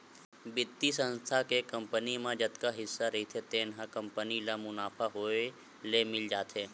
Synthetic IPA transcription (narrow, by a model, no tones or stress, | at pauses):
bɪt̪ːisə̃nst̪ʰakekə̃mpənimãd͡ʒət̪kaɦɪsːaɾəɦit̪ʰet̪eːnɦãkə̃mpənilamʊnaːpʰaɦoe | lemɪld͡ʒaːt̪ʰeː